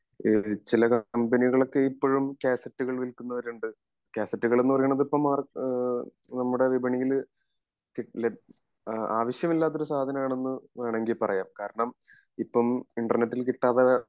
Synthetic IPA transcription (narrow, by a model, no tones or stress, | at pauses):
t͡ɕilɐkɐmbɐniɣɐɭo̞kːeipːoːɻumkaːsɐtːuɣɐɭʋilkːunːɐʋɐɾuɳɖɨ | kaːsɐtːuɣɐɭenːupɐrɐjuɳːɐðipːɐmar | nɐmːuɽe̞ʋibʱɐɳijil | kil | aːʋɐɕjɐmilːaːt̪ːo̞ɾusaːd̪ʱɐnɐmaːɳe̞nːɨʋeːɳeŋɡilpɐrɐjaːmkaːɾɐɳɐm | ipːɐmiɳɖɐrnetːilkiʈːaːʋɐ